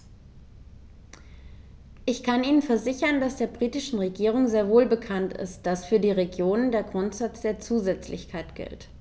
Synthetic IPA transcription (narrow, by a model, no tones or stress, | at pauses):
ʔɪçkʰanʔiːnənfɛɐzɪçɐnd̥asd̥eːɐbʁiːtɪʃn̩ʁeɡiːʁ̞ʊŋzeːɐvoːlbəkʰantɪ̰st̚d̥asfyːɐdiːʁeɡjoːnəndeːɐɡʁʊntz̥at͡sd̥eːɐt͡suːzɛt͡slɪ̰çkʰaɪtɡ̥ɪ̰lt